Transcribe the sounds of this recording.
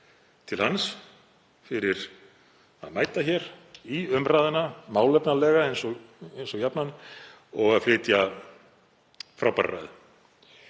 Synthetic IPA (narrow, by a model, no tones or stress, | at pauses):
t̪ʰɪlhans | fɪɾɪɾ̥ | a̰ðmaːjt̪açɛɾiʏmraːðɪnamaːwlɛpnalɛːɣaɛjnsɔ | ejnsɔjapnan | ɔɣaðflɪːt̪ja | fɾawpa̰rra̰jðɪ